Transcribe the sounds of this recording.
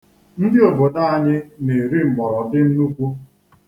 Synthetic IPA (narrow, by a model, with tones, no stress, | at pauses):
n̩˦dɪ˦o˨bo˨da˦a˦ɲɪ˦ne˨ɾi˦m̩˨ɡ͡bɔ˨ɾɔ˨dɪ˦n̩˦nu˦kʷu˦